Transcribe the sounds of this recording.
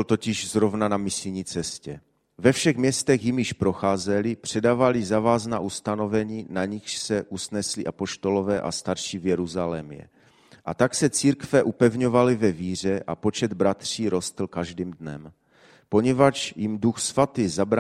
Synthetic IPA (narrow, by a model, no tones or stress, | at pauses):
lt̪o̞cɪʒzɾovnanamɪslɲiːt͡sɛscɛ | vɛfʃɛɣmɲɛst̪ɛxjimjɪʃpɾo̞xaːzɛlɪpr̝̥ɛdaːvalɪzavaːznaːʔust̪ano̞vɛɲiːnaɲɪxʃsɛʔusnɛslɪʔapo̞ʃt̪o̞lo̞vɛːʔa̰st̪aɾʃivjɛɾuzalɛmjɛ̰ | ʔat̪aksɛt͡siːɾkvɛʔupɛvɲo̞valɪvɛviːr̝ɛʔapo̞t͡ʃɛd̪bɾat̪r̝̥iːɾo̞st̪l̩kaʒdiːmdnɛm | po̞ɲɛvat͡ʃjɪmduxsvat̪iːzabɾa